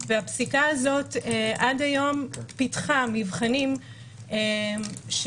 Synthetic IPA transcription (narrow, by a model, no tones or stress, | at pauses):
veapsikaazo̞teʔadajo̞mpitχamivχanim | eʃ